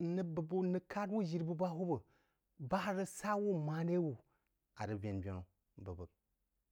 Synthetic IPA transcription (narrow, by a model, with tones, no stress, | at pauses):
nə˦bə˨bu˦nɨ˦ka˦dwu˦ʒi˨ɾbu˦ba˦ɦu˦bə˨ | ba˦hɾə˦sa˦wu˦ma˨˦ne˦wu˨ | a˨ɾə˦bʲe˨nbʲo˨n˨ | bə˨bə˨